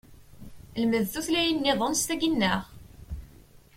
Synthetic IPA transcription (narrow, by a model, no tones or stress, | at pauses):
ləməðθuθlæjənːɪðˤonst̪æɡinːəʁ